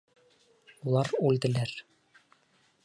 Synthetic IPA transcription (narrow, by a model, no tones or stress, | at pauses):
ulˠɑɾuld̪ɘ̆læɾ